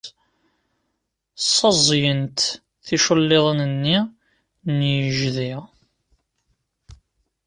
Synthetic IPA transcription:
sˤːɑzˤjənt̪ | θiʃəlːeðˤənənːi | njəʒði

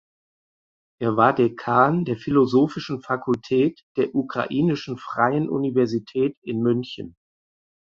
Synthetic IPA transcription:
ʔeːɐvaːɐdeːɐkʰaːɐndeːɐfilozoːfɪʃn̩fakʰʊltʰɛːtd̥eːɐʔukʁ̥a̰ʔiːnɪʃn̩fʁ̥aɪənʔṵnivɛɐzitʰɛːtɪnmʏnçən

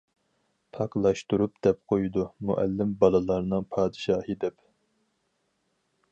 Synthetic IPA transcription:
pʰɑqlˠɑʃt̪uɾup̚d̪ɛp̚qʰojud̪umṵʔæ̰lːɪmbɑlˠɨlˠɑɾnɨŋpʰɑːd̪ɨʃɑːɦɨd̪ɛp

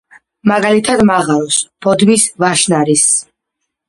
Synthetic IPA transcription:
maɡalit̪ʰad̪maʁalˠɔsb̥ɔd̪misvaʃnaɾis

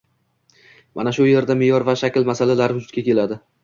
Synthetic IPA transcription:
mʔa̰naʃʊje̞ɾd̪amɪjɒɾvaʃakʲɪlmasalalaɾɪʊd͡ʒʊt̪̚kʲakʲe̞lad̪ɪ

